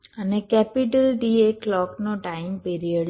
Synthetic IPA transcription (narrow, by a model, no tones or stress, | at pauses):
ənekɛpɪʈəlɖiːeklɔːknõʈaːɪmpiːɾijəɖ